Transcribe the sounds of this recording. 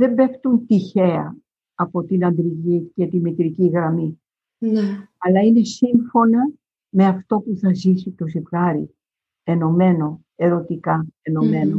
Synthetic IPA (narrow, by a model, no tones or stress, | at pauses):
ðe̞mbe̞kt̪unt̪içe̞ɐ̰ | ɐpo̞t̪inɐnd̪ɾiʝice̞t̪imit̪ɾiciɣɾɐmi | ɐlɐine̞siɱfo̞nɐ | me̞ɐft̪o̞puθɐzisit̪o̞zipɣɐɾḭ | e̞no̞me̞no̞ | e̞ɾo̞t̪ikɐeno̞me̞no